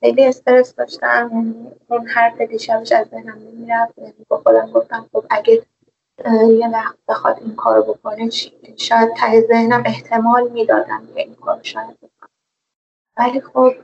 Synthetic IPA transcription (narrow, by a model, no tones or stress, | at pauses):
xejlie̞st̪e̞ɾesd̪ɒːʃt̪ææmjæniunhæɾfed̪iːʃæbeʃæzːe̞hnæmnemiːɾæfd̪jæːniːbexod̪æmɡo̞ft̪æmxo̞b̥æɡæe | jevæxt̪̚b̥e̞xɒ̰d̪iŋkʰɒːɾobo̞kʰo̞net͡ʃʰi | ʃɒːjæd̪̚t̪ʰæhezehnæme̞ht̪ʰe̞mɒːlmiːd̪ɒːd̪æ̰mkʰe̞inkʰɒːɾoʃɒːjæd̪̚bekʰone | væliːxob̥̚